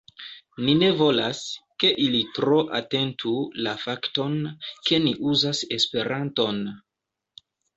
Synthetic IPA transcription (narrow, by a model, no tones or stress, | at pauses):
nine̞vo̞laske̞ʔilitɾo̞ʔate̞ntʰulafakto̞nke̞niʔuzase̞spe̞ɾʔanto̞n